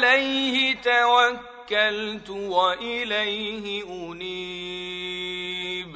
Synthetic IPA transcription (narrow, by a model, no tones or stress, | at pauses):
lejhit̪awakkːaltʊwaʔɪlejɦiuniː | b